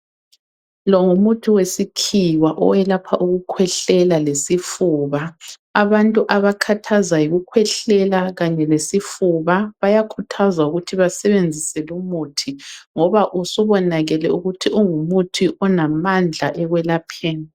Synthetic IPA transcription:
lɔŋumutʰiwesikʰiwaʔɔ̰wɛlapʰaʔuɣukʰwɛɬɛlalesifuːβaː | βantʼuʔaβakʰatʰazajiɣukʰwɛɬɛlaɣaɲɛlesifuβaβajakʰutʰazauɣutʰiβasɛβend͡zʱisɛlumutʰiŋɔβaʔusuβɔnaɣɛlɛuɣutʰiʔuŋumutʰiʔɔnamand͡ɮʱaʔɛɣwɛlapʰɛːna

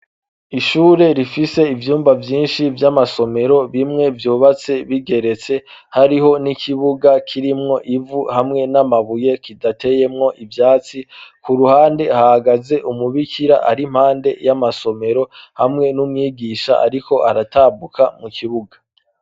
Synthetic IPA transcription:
iʃuːɾe̞ɾifise̞ivjuːmbavjiːnʃivjamaso̞me̞ɾo̞βimŋe̞vjuːβat͡se̞βiɡe̞ɾe̞t͡se̞ | haɾiɦo̞nikʰiβuɡakʰiɾimŋo̞ʔivuhamŋe̞namaβuje̞kidatʰe̞je̞mŋo̞ʔivjaːt͡sikuɾuhaːnde̞hahaɡaze̞ʔumuβikʰiɾa̰ʔaɾim̥haːnde̞jamaso̞me̞ɾo̞hamŋe̞numŋiːɡiʃa̰ʔa̰ɾiko̞ʔaɾataːbukʰamukiβuɡḁ

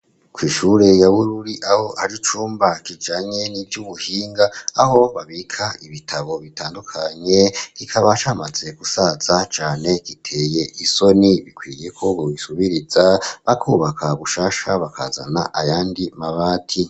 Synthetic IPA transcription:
kwiːʃuɾe̞jaβuɾuɾiʔaho̞haɾit͡ʃuːmbakid͡ʒaɲe̞nivjuβuhiːŋɡaːho̞βaβikʰaiβitʰaβo̞βitaːndukʰaɲe̞kikʰaβat͡ʃaːmad͡ze̞kusaz̥at͡ʃaːne̞kitʰe̞ːje̞ʔiso̞niβikwiːje̞kʰo̞βowisuβiɾizaβakʰuβakʰaβuʃaːʃaβakʰa̰ːza̰na̰ʔajaːndimaβaːtʰi

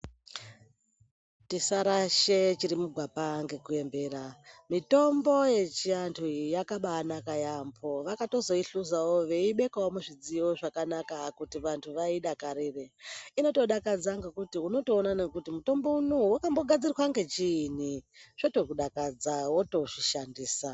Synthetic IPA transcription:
tisaɾaʃet͡ʃiɾimuɡʱwapaŋɡe̞kue̞mbe̞ːɾamito̞mbo̞je̞t͡ʃiantʰujakaɓaːnakajampʰo̞ʋakato̞zo̞iɬuzawoʋe̞iɓe̞kawomuʐid͡zio̞ʐakanakakutiʋantʰuʋaiɗakaɾereino̞to̞ɗakad͡zaŋɡe̞kutiuno̞to̞ːnanekutimuto̞mbo̞unowakambo̞ɡʱad͡zirwaŋɡe̞t͡ʃiniʐ̥oto̞kuɗakad͡zawo̞to̞ʐiʃandiːsa

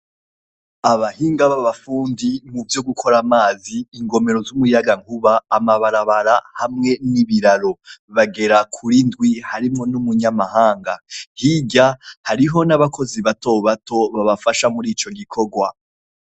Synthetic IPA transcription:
aβahiːŋɡaβaβafuːndimuvjo̞ɡukʰo̞ɾamaːziːŋɡo̞me̞ɾo̞zumujaɡaŋkuβaːmaβaɾaβaɾahamŋe̞niβiɾaɾo̞βaɡe̞ɾakʰuɾindɡwihaɾimŋo̞numuɲamahaːŋɡahiɟahaɾiɦo̞naβakʰo̞ziβato̞βato̞βaβafaʃamuɾiːt͡ʃo̞ɡikʰo̞ɡwa̰

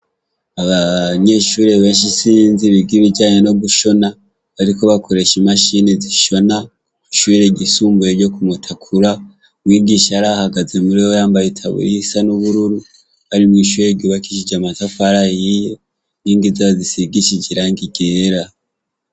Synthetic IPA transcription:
aβaɲe̞ʃuːɾe̞βe̞ːnʃisiːnziβibɡiβiɟaːɲeno̞βuʃo̞na | βaɾiko̞βakʰo̞ɾe̞ʃimaʃineziʃo̞na | kiʃuβiɾeɟisuːmbueɾɟo̞kumutʰakʰuɾa | wiːɡiʃaɾahaɡazemuɾewojaːmbajitʰa̰βṵɾisanuβuɾuɾu | βaɾimwiːʃuɾeɟiβakiʃid͡ʒamatafaɾajijo | niːŋɡizaβazisiɡiʃid͡ʒiɾaŋɡiɡe̞ːɾa

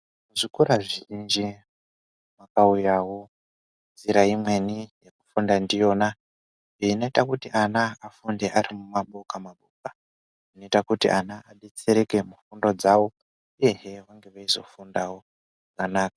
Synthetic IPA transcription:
muzikuɾaʐind͡ʒi | makaujawo | nziɾaimwe̞nijeku̥fundandijo̞ːna | eino̞itakutiʔanaːfunde̞ʔaɾimumaɓokamaɓoka | ino̞itakutḭʔanaaɗe̞t͡seɾe̞ke̞mufundo̞d͡zawo | uje̞ɦeʋaŋɡe̞ʋaizo̞̰fundawo | ʐakanaːkḁ

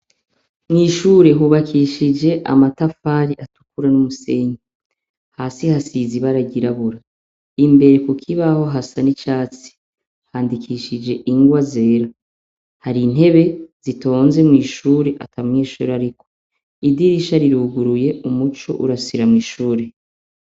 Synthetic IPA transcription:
mŋiːʃuːɾe̞ɦuːβakʰiʃid͡ʒe̞ʔa̰matafaːɾiatu̥kuɾanumuse̞ːɲi | haːsihasiziβaɾaɟiɾaβuɾa | imbe̞ɾe̞kukʰiβaho̞ɦasanit͡ʃaːt͡si̥ | haːndikʰiʃid͡ʒe̞ʔiŋɡwaze̞ːɾa | haɾin̥he̞βe̞z̥ito̞ːnze̞mŋiːʃuːɾe̞ʔa̰tʰaŋiːʃuːɾaɾikʰo̞ | idiɾiʃaɾiɾuɡuɾuje̞umut͡ʃo̰ʔuɾasiɾamŋiːʃuːɾe̞

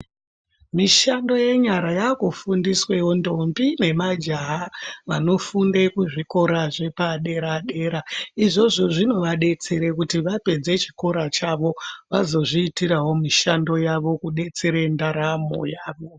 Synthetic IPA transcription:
miʃando̞je̞ɲaɾajakufundiswe̞wo̞ndo̞mbine̞mad͡ʒaɦaʋano̞fundekuʐiko̞ɾaʐe̞paɗe̞ɾaɗe̞ːɾaiʐo̞ʐo̞ʐino̞ʋaɗe̞t͡se̞ɾekutiʋape̞d͡ze̞t͡ʃi̥ko̞ɾat͡ʃaʋo̞ʋazo̞ʐiːtiɾawo̞miʃando̞jaʋo̞kuɗe̞t͡se̞ɾendaɾamo̰jaːʋo̞

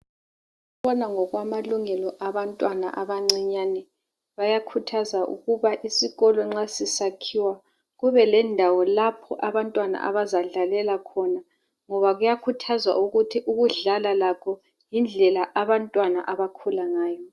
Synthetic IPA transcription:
uβɔnaŋɔɣwamaluŋɛlɔʔaβantʼwana̰ʔaβaŋ͡ǀiɲanɛ | βajakʰutʰazaʔṵɣuβaʔisiɣɔlɔŋ͡ǁasisakʰiwa | ɣuβɛlɛndʱawɔlapʰɔ̰ʔaβantʼwana̰ʔa̰βazaɮalɛlakʰɔna | ŋɔβaɣujakʰutʰazwa̰ʔuɣutʰiʔuɣuɮalalakʰɔ | jind͡ɮʱɛlaʔaβantʼwana̰ʔaβakʰulaŋaːjɔ

